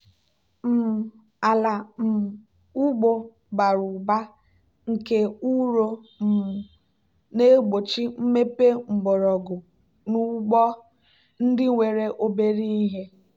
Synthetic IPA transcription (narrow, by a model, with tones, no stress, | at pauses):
m̩˨ | a˨la˨m̩˨ | u˦ɡ͡bo˨ | ɡ͡ba˨ɾʊ˨ba˦ | ŋ̩˨ke˦u˦ɾo˦m̩˨ | ne˦ɡ͡bo˨t͡ʃi˦m̩˦me˦pe˦ŋ͡m̩˨ɡ͡bɔ˨ɾɔ˨ɡʊ˨ | nu˦ɡ͡bɔ˦ | n̩˦dɪ˦ŋʷe˨ɾe˦ʔo˦be˦ɾi˦i˦ɦe˦